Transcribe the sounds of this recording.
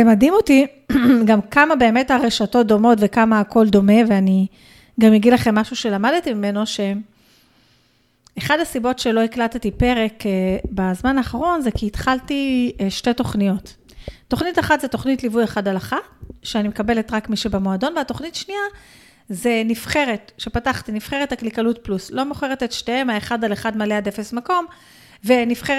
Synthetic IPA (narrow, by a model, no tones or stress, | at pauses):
emadimoti | ɡamkamabe̞ːme̞taʁeʃatot̚d̪o̞mo̞tve̞kamaːko̞ldo̞me̞veani | ɡamjeɡidlaχemːaʃuʃe̞lamadtimime̞no̞ʃe̞ | χadhasibo̞tʃe̞lo̞iklat̪etipe̞ʁe̞kebazmanaːχaʁo̞nzekiːt̪χaltiʃte̞to̞χnijo̞tː | o̞χnitaχatzetoχnitlivujeχadalaχaʃeanimekabe̞letʁakmiʃebamoado̞nveatoχnitaʃnia | ze̞nifχe̞ʁe̞tʃe̞pataχtinifχeʁetaklikalutpluslo̞moχeʁetetʃteemaeχadaleχadmaleade̞fesmako̞m | ve̞nifχe